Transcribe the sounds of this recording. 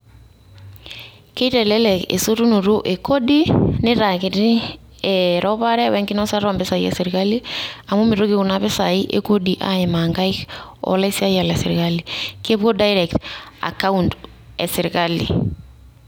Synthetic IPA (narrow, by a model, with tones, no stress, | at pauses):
ke˦tɛ˨lɛ˦lɛ˨kḛ˨so˦tu˦no˨ɾo˦ʔe˨ko˦di˦nɪ˦ɾa˨kɪ˨ɾi˦ | ɛɾɔ˦βa˦ɾɛ˦wɛ˦ŋki˦nɔ˦sa˦ɾa˨mbe˦sa˨i˦ɛ̰˦sɪ˨ɾɪka˦li˦a˨mo˦mi˨ɾo˦ki˦ko˨na˦βe˦saiʔḛ˨ko˦di˨ʔa̰e˨ma˨ŋɡa˦ikɔ̰la˦i˦si˦a˦jia˨lasɪɾɪkali˨ke˦βwo˦da˦iɾɛkta̰˨ka˦und | ɛ˨sɪ˨ɾɪkalḭ˨